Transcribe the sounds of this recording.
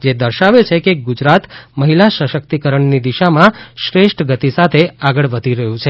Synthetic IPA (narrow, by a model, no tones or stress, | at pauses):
d͡ʒed̪əɾʃaʋet͡ʃʰekeɡud͡ʒɾat̪məɦilaʃəʃəkt̪ikəɾəɳnid̪iʃamãʃɾeʃʈɡət̪isat̪ʰeaɡəɭʋəd̪ʱiɾəɦũt͡ʃʰe